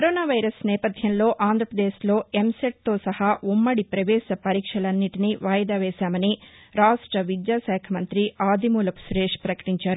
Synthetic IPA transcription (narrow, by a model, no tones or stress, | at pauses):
kkɐɾoːnaːʋɐjɾɐsnɛːpɐd̪ʱjɐmlo̞ːʔaːnd̪ʱɾɐpɾɐd̪eːslo̞ːemseʈ̚t̪o̞ːsɐhaːumːɐɽipɾɐʋɛːsɐpɐɾiːkʂɐlɐnːiʈiniʋaːjɐd̪aːʋɛːʃaːmɐni | ɾaːʂʈɾɐʋid̪jaːsɛːkʰɐmɐnt̪ɾiaːd̪ʱimuːlɐpu̥suɾeːʂpɾɐkɐ̥ʈiɲt͡ʃaːɾu